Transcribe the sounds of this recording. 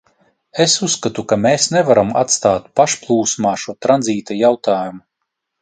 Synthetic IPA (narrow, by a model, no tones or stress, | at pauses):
esusːkat̪ukameːsnevaɾamat̪st̪aːt̪paʃplˠuːsmaːʃuɔt̪ɾanziːt̪ajawt̪ʰaːjumu